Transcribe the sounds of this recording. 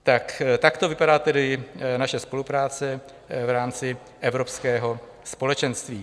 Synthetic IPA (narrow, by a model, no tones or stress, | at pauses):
t̪akt̪akt̪o̞vɪpadaːt̪ɛdɪnaʃɛspo̞lupɾaːt͡sɛ | vɾaːmt͡sɪ | ʔɛvɾo̞pskɛːɦo̞ | spo̞lɛt͡ʃɛnst̪viː